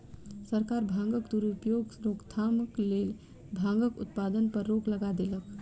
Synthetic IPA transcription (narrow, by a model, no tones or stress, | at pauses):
səɾkaɾbʱãŋɡəkd̪uɾupjoɡɾoɡt̪ʰaməklel | bʱãŋɡəkut̪̚pad̪ənpəɾːokləɡad̪elək